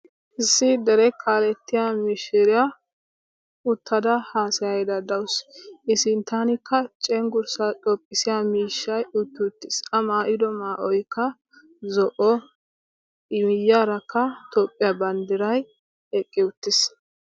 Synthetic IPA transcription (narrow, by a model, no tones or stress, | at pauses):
ʔɪsːɪd̪ɛɾɛkʰaːlɛt̪ːɪjamiʃɪɾɪja | ʊt̪ːɐd̪ɐhaːsɪjɐjd̪ɐd̪ɐwʊsʔɪsɪnt̪anɪkːɐt͡ʃʼɛŋɡʊɾsatʼɔpʼːɪsɪjamiːʃːɐjʊt̪ːɪʊt̪ːɪsɐmaːʔɪd̪ɔmaːʔɔjkːɐ | zɔʔɔ | ɪmɪjːaɾɐkʰːɐt̪oːpʼːɪjabɐnd̪ɪɾɐj | ɛkʼːɪʊt̪ːɪs